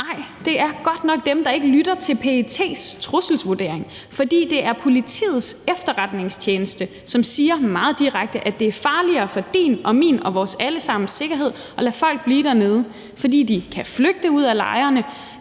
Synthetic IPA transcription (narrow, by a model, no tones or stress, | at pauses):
nɑ̈ɪ̰d̥e̝ʔæɐɡ̥ɒ̽d̥nɒ̽ɡ̥̚d̥emd̥ɑ̈e̝ɡ̥əlyɾ̥ɐt͡sʰe̝lpʰet͡sʰe̝̰ːst͡sʰʁusl̩sʋuɐd̥e̝̰ɐ̰eŋ | fɒ̽d̥ḭːd̥e̝ʔæɐpʰo̝lit͡sʰḭːð̩ˠsefd̥ɐʁad̥ne̝ŋst͡ɕʰjeːnəsd̥ə | sɒ̽msiːɐmɑ̈ːð̞̩ˠd̥iʁaɡ̥̚d̥əʔæd̥e̝æɐfɑ̈ːliɐːfɒ̽d̥ḭːnɒ̽mḭːnɒ̽ʋɒːsæləsɑ̈m̰n̩se̝ɡ̥ɐɦe̝ð̞̰ˠ | ʔɒ̽læfɒ̽l̰ɡ̥̚b̥liːɾæɐne̝ːð̞ˠə | fɒ̽dḭːd̥ikʰæfløɡ̥̚d̥əuð̞̰ˠælɑ̈ɪɐnə